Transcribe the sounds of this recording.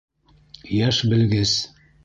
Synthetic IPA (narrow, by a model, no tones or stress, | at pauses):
jæʃbɘ̆lɡɘs